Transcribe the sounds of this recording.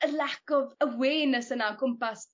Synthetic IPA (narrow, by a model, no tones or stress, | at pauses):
əlɛkɔvəweːnəsənakʰʊmpas